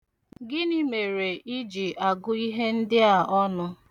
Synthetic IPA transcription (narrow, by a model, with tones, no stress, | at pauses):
ɡɪ˦ni˦me˨ɾe˨i˦d͡ʒi˨ʔa˨ɡʊ˦i˦ɦe˦n̩˦dɪ˦a˨ʔɔ˦nʊ˦